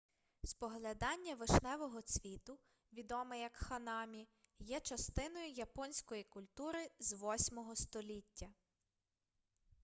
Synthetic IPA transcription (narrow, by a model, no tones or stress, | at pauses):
spɔɦlʲɐd̪ɑnʲːɐʋɪʃnɛʋɔɦɔt͡sʲʋʲit̪ʊ | ʋʲid̪ɔmɪjɐkxɐnɑmʲijɛt͡ʃɐst̪ɪn̪ɔjʊjɐpɔnʲsʲkɔjikʊlʲt̪uɾɪzʋɔsʲmɔɦɔst̪ɔlʲitʲːɐ